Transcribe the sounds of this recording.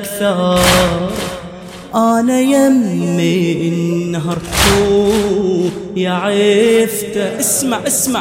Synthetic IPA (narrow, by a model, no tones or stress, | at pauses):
kθɑ | ɾ | ʔanajamːiʔɪnːɦɑɾˤt̪uː | jaʕeft̪aʔɪsmaʕʔɪsma